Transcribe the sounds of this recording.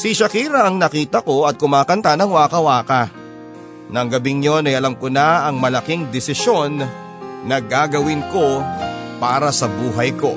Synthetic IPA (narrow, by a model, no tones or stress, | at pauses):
siʃɐkiːɾɐʔɐŋnɐkiːt̪ɐko̞ʔɐt̪̚kʊmaːkɐnt̪anɐŋwaːkɐwaːkɐ | nɐŋɡɐbɪŋɲo̞nɐjʔɐlɐmkonaɐŋmɐlɐkiŋd̪ɪsɪʃo̞nː | ɐɡaːɡɐwɪnko̞paːɾɐsɐbuːɦɐjko̞